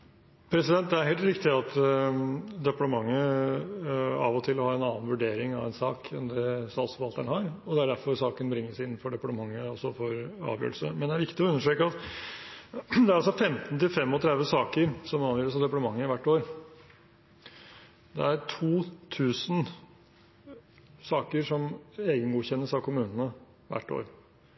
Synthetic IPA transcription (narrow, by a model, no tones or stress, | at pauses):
pʰɾɛsɪd̪ɛnt̪̚d̪ɛæɾɦeːlt̪ɾɪkt̪ɪɑt̪ | d̪ɛpɑʈəmɑŋːə | ɑ̰ːʋɔt̪ʰɪlɔhɑːɛnɑːnənʋʉɖeːɾɪŋɑ̰ʋɛnsɑːkʰɛ̰nd̪ɛsɑlsɔʋɑlt̪ːəɳəhɑːɾɔd̪ɛæɖæɾfɔɾsɑːkənbɾɪŋːəʂsɪnːn̩fɔɖɛpɑʈəmɑŋːəɔsːɔfɔɾɑ̰ːʋjø̰ːl̩sə̰mɛnd̪ɛæɾʋɪkt̪ɪɔʉnːəʂɾøːkəɑt̪ | d̪ɛæɾɑlsɔfɛmt̪nt̪ɪlfɛmːɔt̪ʰɾɛd̪ʋəsɑːkəɾsɔmɑːʋjøːɾləsɑʋd̪ɛpɑʈ̪əmɑŋːəɪʋæʈːoːɾ | d̪ɛ̰æɾʈʰuːt̪ʰʉːsn | sɑːkəɾʂɔmeːɡənɡuːçɛnːəsɑʋkʰʊmʉːnənə | ʋæ̰ʈːo̰ːɾ